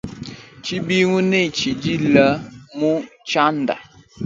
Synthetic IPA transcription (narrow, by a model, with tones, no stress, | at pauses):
t͡ʃi˦bi˦ŋu˦ne˦˨t͡ʃi˨d͡ʒi˦lə˦mu˦t͡ʃa˦n̩˦da̰˨